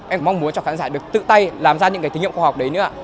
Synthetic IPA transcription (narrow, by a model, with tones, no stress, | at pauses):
ʔɛ˧˩ma˧wŋ͡mmu˨˦ənt͡ɕɔ˧xaː˨˦nzaː˧˩ɗɨ˨˩ək̚t̪ɨ̰˧˨t̪a˧jlaː˨˩mzaː˧ɲɨ̰˧˥kaː˨˦t̪i˨˦ŋḭ˧˨˧waː˧hwk͡p̚ɗə˨˦jnɨ̰˧˥aː˧˨